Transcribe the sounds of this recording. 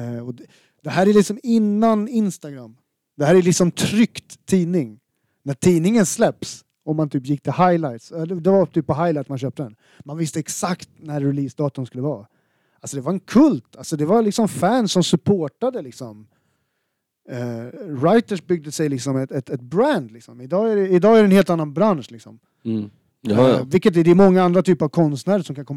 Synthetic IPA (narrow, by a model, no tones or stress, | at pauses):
ɔ | d̪̥ɛɦæːɾælɪksɔmɪnːanɪnst̪aɡɾamː | d̪ɛhæːɾælɪksɔmt̪ʰɾʏkt̪ʰːiːnɪŋ | næʈʰiːnɪŋənslɛps | ɔmant̪ʰyːpjɪkːt̪ʰɪlhajlajt̪sɛd̪ɛd̪ɛvat̪ʰyːpːpɔɦajlaɪjt̪manɕøːp̚t̪əd̪ɛn | manvɪst̪əɛksakt̪næɾːɛliːsd̪ɑːt̪ənskɵlːəvɑː | ʔalsɔd̪ɛvaɾɛnkʰɵlt̪ʰalsɔd̪ɛvaɾlɪksɔfænsɔmsɵpʰoːʈad̪əlɪksɔm | ɾajt̪əʂbʏɡ̚d̪əsɛjlɪksɔmɛt̪ɛt̪ɛt̪̚bɾænd̪lɪksɔmɪd̪ɑːæɖɛɪd̪ɑːæɾɖɛnheːlt̪anːanbɾanʂlɪksɔm | vɪlkːət̪ɛd̪ɛɾmɔŋːaand̪ɾat̪ʰyːpəɾavkʰɔnst̪næːɾəʂɔmkʰankɔmː